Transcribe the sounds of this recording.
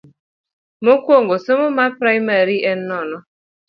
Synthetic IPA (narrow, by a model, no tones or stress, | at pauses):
mokwoŋɡosomomapɾajmaɾiʔɛnːɔnɔ